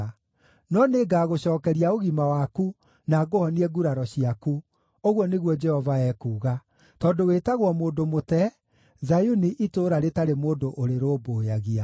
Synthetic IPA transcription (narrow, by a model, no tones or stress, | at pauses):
nɔneɡaːɣoɕɔːkɛɾiaoɣimawaku | naɡohɔniɛɡuɾaɾɔɕiaku | oɣwɔneɣwɔd͡ʒɛhɔvaɛkuːɣa | tɔndowetaɣwɔmoːndomotɛ | zajuniʔitoːɾaɾetaɾemoːndoʔoɾeɾoːboːjaɣia